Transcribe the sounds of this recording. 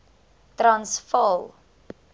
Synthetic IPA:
tɾɐnsfɑlˠ

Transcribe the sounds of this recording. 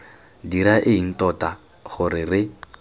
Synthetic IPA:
diɾaʔɪin̩tɔta | χʊrɪrɪ

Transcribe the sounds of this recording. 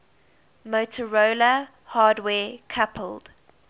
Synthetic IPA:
moʊtʰəɹoːlə | hɑːdwɛːkʰapʰəld̥

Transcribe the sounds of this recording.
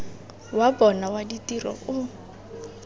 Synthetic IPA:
wabɔnawaditirɔ̰ʔʊ

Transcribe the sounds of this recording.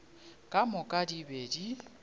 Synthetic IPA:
kʼamʊkʼadibeːdi

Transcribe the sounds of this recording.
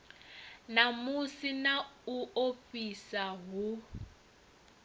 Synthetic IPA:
namusinauofisaɦu

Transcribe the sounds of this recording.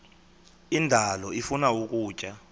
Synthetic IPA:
indʱalɔifunauk̬ʼuːt͡ʃʼa

